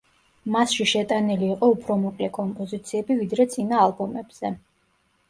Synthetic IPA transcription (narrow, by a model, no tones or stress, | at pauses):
masʃiʃɛt̪ʼaniliːqʼɔupʰɾɔmɔqʼlɛkʼɔmpʼɔzit̪sʰiɛbivid̪ɾɛt̪sʼinaːlˠbɔmɛbz̥ɛ